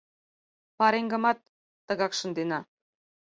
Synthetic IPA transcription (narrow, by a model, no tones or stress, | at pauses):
pɑɾeŋɡə̆mɑt̪ː | ə̆ɣɑkʃə̆nd̪enɑ